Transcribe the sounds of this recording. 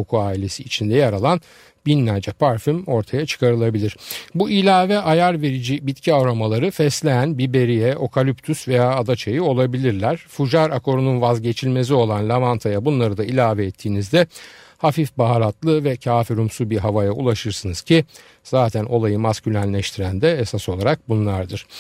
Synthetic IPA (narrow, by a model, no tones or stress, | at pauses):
okʰuaːilʲe̞siːt͡ʃʰind̪ɛjaɾalˠan | binlʲæɾd͡ʒɛpʰaɾfymo̞ɾt̪ʰajat͡ʃʰɯ̥kʰaɾɯlˠabilʲiɾ̥builʲaːvɛʔajaɾve̞ɾid͡ʒibit̪cʰiavɾamalˠaɾɯfɛslʲejænbibe̞ɾijɛo̞kʰalʲyp̚t̪ʰysve̞jaːd̪at͡ʃʰajio̞lˠabilʲiɾlʲæɾ̥fuʒaɾakʰo̞ɾununvazɟe̞t͡ʃʰilʲme̞s̬io̞lˠanlʲavant̪ʰajabunlˠaɾɯd̪ailʲaːvɛːt̪ʰːiːnizd̪ɛ | hafifbaɦalˠat̪lˠɯvɛcʰaːfiɾumsubiɦavajaṵlˠaʃɯɾsɯnɯz̥cʰi | z̥aːt̪ʰænʔo̞lˠajɯmascylʲænlʲɛʃt̪ʰiɾænd̪ɛesaso̞lˠaɾak̚bunlˠaɾd̪ɯɾ̥